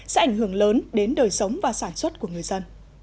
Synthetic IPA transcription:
sɛ̰˧˥ʔa˧jŋhɦɨ˧˩əŋləː˨˦nɗe˨˦nɗəː˨˩jsə˨˦wŋ͡mvaː˨˩saː˧˩nswə˦˥t̚ku˧˩əŋɨ˨˩əjzə˧n

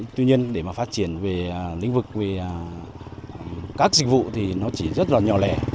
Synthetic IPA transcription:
t̪wi˧ɲi˧ənɗe˧˩maː˨˩faː˦˥t̚t͡ɕi˧˩ənve˨˩˨lḭ˧˥ŋ̟vɨ˨˩k̚ve˨˩ | kaː˦˥k̚zï˨˩k̚vṵ˧˨t̪ʰi˨˩nɔ˨˦t͡ɕi˧˩zə˦˥t̚laː˨˩ɲɔ˨˩lɛ˨˩

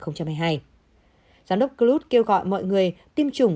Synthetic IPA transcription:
xə˧wŋ͡mt͡ɕa˧mhaː˧jɦaː˧j | zaː˨˦mɗə˦˥wk͡p̚kə˧lu˦˥t̚ke˧wɣɔ̰˧˨jmɔ̰˧˨jŋɨ˨˩əjt̪i˧mt͡ɕʊ˨˩ŋ͡m

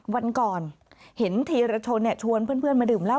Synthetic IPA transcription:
wa˧nkɔː˨˩n | he˩˦nt̪ʰiː˧ɾaː˧t͡ɕʰo˧nːi˥˩t͡ɕʰu˧ənpʰɯ˥ənpʰɯ˥ənmaː˧dɯː˨˩mla˥˩w

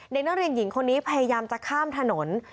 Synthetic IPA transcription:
de˨˩k̚nɔː˥ŋɾi˧əŋji˨˩˦ŋkʰo˧nːiː˦˥pʰa˧ja˧jaː˧mt͡ɕa˨˩kʰaː˥˩mt̪ʰa˧no˩˦n

